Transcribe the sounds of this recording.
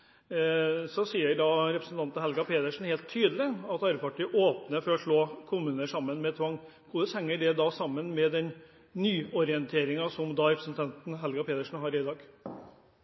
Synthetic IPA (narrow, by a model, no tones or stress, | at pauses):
sɔsiːəɖɑɾɛpɾəsn̩t̪ʰɑnt̪n̩hɛlɡɑpʰeːd̪əʂn̩heːlt̪ʰːyːd̪əlɪɑt̪ɑɾəpɑʈʰiːʔoːpnəfɔɾɔʂɭoːkʰʊmʉːnəʂɑmːənmɛt̪ʰʋɑŋː | kʰʊd̪əshɛŋːəɖɛd̪ɑsɑmːənmɛd̪ɛn | nyːɔɾɪənt̪ʰeːɾɪŋɑsɔmd̪ɑɾɛpɾəsn̩t̪ʰɑnt̪n̩ɦɛlɡɑpʰeːd̪əʂɳ̩n̩ɦɑɾɪd̪ɑːɡ